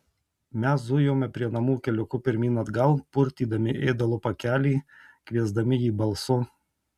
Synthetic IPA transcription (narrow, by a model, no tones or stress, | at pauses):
mʲɛszʊjoːmʲɛpʲɾʲiɛnɐmuːkʲɛlʲʊkʊpʲɪɾʲmʲiːnɐd̪ɡɐlˠpʊɾʲt̪ʲiːd̪ɐmʲɪʔeːd̪ɐlˠʊpɐkʲæːlʲɛːkʋʲiɛzd̪ɐmʲɪjiːbɐlˠsʊ